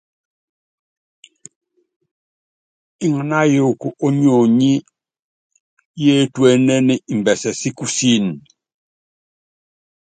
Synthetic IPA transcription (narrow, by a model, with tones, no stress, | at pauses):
i˦ŋa˨na˦jo˦˨ku˨ʔo˦ɲ˦o˨ɲi˦ | je˦twe˦nɛ˦ni˦i˨m˨bɛ˨sɛ˨si˦ku˦si˦n˨